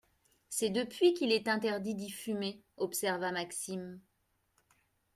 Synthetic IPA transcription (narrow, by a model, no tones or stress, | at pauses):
sɛd̪əpɥikilɛt̪ɛ̃t̪ɛʁd̪id̪ifyme | ɔpsɛʁvamaksim